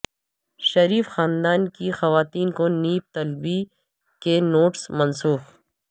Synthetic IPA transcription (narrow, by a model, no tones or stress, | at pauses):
ʃɐɾiːfxaːnd̪aːnkixɐʋaːt̪iːnkoniːp̚t̪ɐlbi | kenoːʈsmɐnsuːx